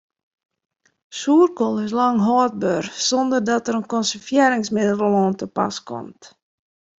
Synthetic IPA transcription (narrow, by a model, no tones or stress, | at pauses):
suːrkolˠɪslɑŋɦɔːt̚børsɔndərdɔtəɾənkɔnsərfjeːɾɪŋsmɪdələl̩ˠoːntəpa̰skɔ̰mt